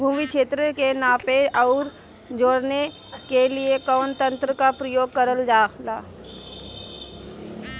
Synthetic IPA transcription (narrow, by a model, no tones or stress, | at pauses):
bʱuːmikʃeːt̪ɾəkenaːpeʔɔːɾ | d͡ʒoːɽne | keliekɔːnt̪ə̃nt̪ɾəkapɾəjoːɡ̚kəɾəld͡ʒaːkʰlaː